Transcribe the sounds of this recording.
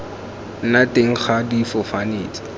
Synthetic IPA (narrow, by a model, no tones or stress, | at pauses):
nateŋ̩χadifʊfaneːt͡sʼi̥